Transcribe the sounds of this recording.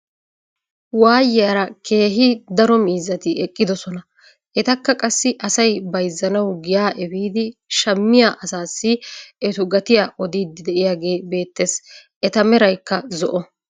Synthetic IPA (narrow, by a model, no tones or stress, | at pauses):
waːjɪjɐɾɐkʰe̞ːɦɪd̪ɐɾɔmiːzːɐt̪ɪʔɛkʼːɪd̪ɔsɔnɐ | ʔɛt̪ɐkːɐkʼɐsːɪʔɐsɐjbɐjzːɐnɐwɡɪjaːʔɛbiːd̪ɪʃɐmːɪjaːʔɐsaːsːɪɛt̪ʊɡɐt̪ɪjaːʔɔd̪iːd̪ɪd̪ɛʔɪjaːɡe̞ːbe̞ːt̪ːesʔɛt̪ɐmɛɾɐjkːɐzɔʔɔ